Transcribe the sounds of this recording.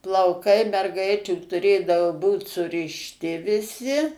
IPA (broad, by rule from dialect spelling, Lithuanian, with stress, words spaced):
plˠɐʊˈkɐɪ mʲɛrˈɡɐɪt͡ʃʲuː tʊˈrʲeːdɐʋoː ˈbuːt sʊrʲɪʃʲˈtʲɪ ʋʲɪˈsʲɪ